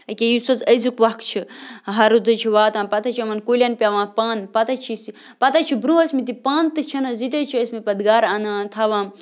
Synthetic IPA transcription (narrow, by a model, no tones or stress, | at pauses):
ɐkʲejusɐt͡sɐzikʋɐkʰt͡ʃʰiɦɐɾut̪ɨt͡ʃʰiʋaːt̪ãːpɐt̪ʰɐt͡ʃʰiɐmɐnkolʲɐnpʲaːʋãːpaːnpɐt̪ɐt͡ʃʰisi | pɐt̪at͡ʃʰibɾũɐsmit̪ipaːnt̪ɨt͡ʃʰɐnɐzit̪̬ɐt͡ʃʰiɐsmipɐd̪ɡaːɾaːnat̪ʰaʋãːm